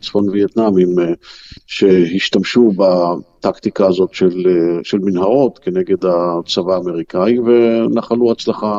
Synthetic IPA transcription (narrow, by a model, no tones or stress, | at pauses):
t͡sfonvijet̪namim | ʃehiʃt̪amʃubat̪akt̪ikaːzo̞tʃelʃelminɦaʁo̞t̪keneɡe̞d̪at͡savaːme̞ʁikaivenaχaluat͡slaχa